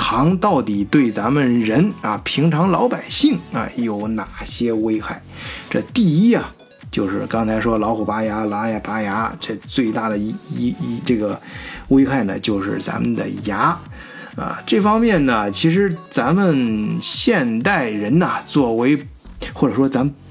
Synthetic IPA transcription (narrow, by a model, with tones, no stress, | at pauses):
tʰɑ˧˥ŋt̪ɑ˥˩ʊt̪i˨˩t̪we˥˩ɪt͡sa˧˥nmə˨nɻə˧˥nɐ̰˨˩pʰi˧˥ŋʈ͡ʂʰɑ˧˥ŋlɑ˧˥ʊpa˨˩ɪɕi˥˩ŋɐ̰˧jo˨˩ʊna˨˩ɕjɛ˥we˥ɪxa˥˩ɪʈ͡ʂɤ˥˧t̪i˥˧i˥ɐ˨ | t͡ɕjo˥˧ʊʂɻ̩˥˩kɑ˥ŋt͡sʰa˧˥ɪʂwɔ˥lɑ˧˥ʊxu˨˩pa˧˥ja˧˥la˧˥jpa˧˥ja˧˥t͡ɕʰɛ˥˧˩t͡swe˥˧ɪt̪a˥˩d̪ə˩˧˥ʈ͡ʂɤ˥˩ɡə˩we˥ɪxa˥˩ɪnə̰˩t͡ɕjo˥˧ʊʂɻ̩˥˩t͡sa̰˧˥mə˨nd̪ə̰˩ja˧˥ | ə̰˧˩ʈ͡ʂɤ˥˩fɑ˥ŋmjɛ˥˩nnə˩t͡ɕʰi˧˥ʂ̬ɻ̩˧˥t͡sa˧˥mə˨nɕjɛ˥˧nt̪a˥˩ɪɻə˧˥nɐ˨t͡swɔ˥˩we˧˥ɪ | xwɔ˥˩ʈ͡ʂɤ˨˩ʂwɔ˥t͡sa˧˥mə˨˧